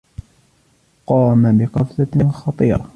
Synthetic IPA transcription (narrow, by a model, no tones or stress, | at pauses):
qɑːmabɪqɑfθaɪnxɑt̪ˤiːɾɑ